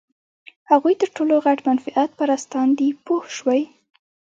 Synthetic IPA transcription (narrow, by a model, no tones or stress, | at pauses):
haɣujt̪əɾʈoloɣaʈmanfɪʔat̪̚paɾast̪ɑnd̪ipohʃwaj